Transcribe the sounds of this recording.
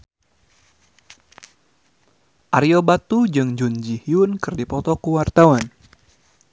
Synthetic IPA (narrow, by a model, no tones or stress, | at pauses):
ʔaɾiobat̪ud͡ʒɨŋd͡ʒund͡ʒihiunkɨrdipɔt̪ɔkuwart̪awan